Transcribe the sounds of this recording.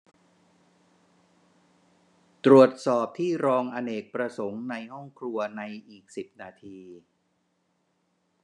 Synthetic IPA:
t̪ɾu˨˩ət̪̚sɔː˨˩p̚t̪ʰiː˥˩ɾɔː˧ŋʔa˧neː˨˩k̚pɾa˧so˩˦ŋna˧jhɔ˥˩ŋkʰɾu˧ɐna˧jʔiː˨˩k̚si˨˩p̚naː˧t̪ʰiː˧

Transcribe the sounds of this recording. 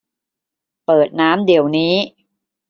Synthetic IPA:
pɤː˨˩t̪̚naː˦˥mdi˨˩˦əwniː˦˥

